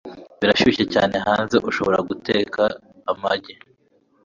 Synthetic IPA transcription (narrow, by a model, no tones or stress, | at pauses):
βiɾaʃiiceca̰ːne̞ɦaːnze̞ʔuʃo̞βo̞ɾa̰ɡuteːkʰaː | maɟe